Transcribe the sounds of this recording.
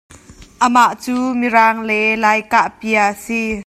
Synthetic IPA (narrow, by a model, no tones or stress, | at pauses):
ʔəmaʔt͡suːmiɾaːŋlɛlaːjkaʔpiəʔəsi